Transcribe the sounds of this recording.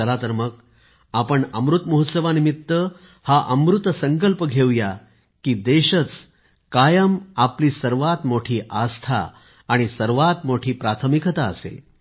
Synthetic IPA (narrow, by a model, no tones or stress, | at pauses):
əlat̪əɾmək̚ | apəɳəmɾut̪məɦut̪səʋanimit̪ːə | haʔəmɾut̪səŋkəlpəɡʱewja | kiːd̪eɕət͡s | kajəmapliːsəɾʋat̪moʈʰiːʔast̪ʰa̰ː | ɽ̃isəɾʋat̪moʈʰiːpɾat̪ʰəmikət̪aəsḛ